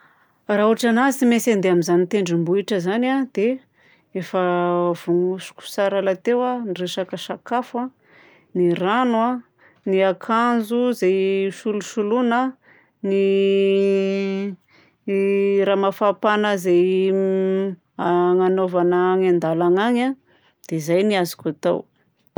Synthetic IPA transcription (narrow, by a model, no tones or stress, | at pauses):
rauʈ͡ʂanazimesend̪eamizanit̪eɳɖ͡ʐimbuiʈ͡ʂəzanad̪̥e | efəv̥uŋusu̥ku̥saɾalat̪ewanireʃakəʃakafwa | niranwa | niakʰanzuzejʃuluʃulunə | ni | ɾaːmafapanəzej | aŋanovanaŋand̪alaŋaŋa | d̪̥ezajniazi̥kʲat̪a̰w